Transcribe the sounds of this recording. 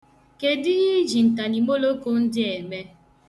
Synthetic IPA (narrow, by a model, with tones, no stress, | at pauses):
ke˨dɪ˦ɣɪ˦d͡ʒi˨n̩˨ta˨ni˨mo˦lo˦ko˦n̩˦dɪ˦e˨me˦